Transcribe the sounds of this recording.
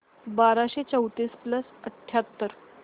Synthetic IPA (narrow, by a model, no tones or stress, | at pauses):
baɾaɕet͡səwt̪ispləsəʈʰːjat̪ːəɾ